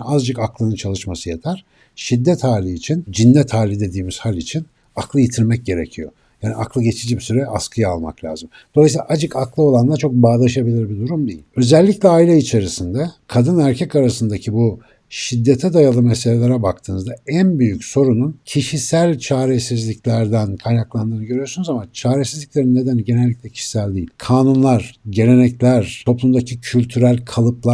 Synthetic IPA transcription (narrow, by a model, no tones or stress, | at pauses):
azd͡ʒakaklˠɯnɯnt͡ʃʰalˠɯʃmasɯjat̪ʰaɾ̥ | ʃid̪ːɛt̪haːlʲiːt͡ʃʰind͡ʒinːɛt̪ʰhaːlʲid̪e̞d̪iːmiz̥halʲit͡ʃʰin | aklˠɯjit̪ʰiɾmɛc̚ɟe̞ɾe̞̰cʰijo̞̰ | jaːniaklˠɯɟe̞t͡ʃʰid͡ʒibisyɾɛʔa̰skʰɯjaalˠma̰klʲa̰ːzɯm | d̪oajsilˠaʔad͡ʒɯkaklˠɯo̞lˠanlˠat͡ʃʰo̞k̚baːd̪ˠaʃabilʲiɾbid̪uɾumd̪ejḭ̥ø̞zɛlʲːicʲlʲɛailʲɛit͡ʃʰe̞ɾisind̪ɛkʰad̪ɯnæɾcʰɛcaɾasɯnd̪acʰibu | ʃid̪ːet̪ʰɛd̪ajalˠɯmeselʲelʲeɾɛbak̚t̪ʰɯːnɯzd̪aænbyjycso̞ɾununcʰiʃisælʲt͡ʃʰaːɾesizlʲiclʲæɾd̪ænkʰajnaklˠand̪ɯːnɯɡɟøɾyjoɾsunuzamat͡ʃʰaːɾesizlʲicʲlʲe̞ɾinːe̞d̪ænɟe̞nɛlʲːiclʲɛcʰi̥ʃi̥sælʲd̪ḭjilʲkʰaːnunlˠaɾ̥ɟe̞ɾe̞nɛclʲæɾt̪ʰo̞plˠumd̪acʰicʰylʲt̪ʰyɾælʲkʰalˠɯplˠa